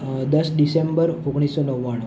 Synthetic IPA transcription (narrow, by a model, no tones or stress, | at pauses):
d̪əsɖisembəɾoɡɽ̃isːɔnəʋːaɽ̃o